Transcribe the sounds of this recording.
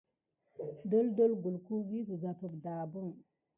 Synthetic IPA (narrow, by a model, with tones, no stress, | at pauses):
do˦ldo˦lɡu˨lku˦wi˦si˨ɡa˨pə˨kda˨bu˦ŋ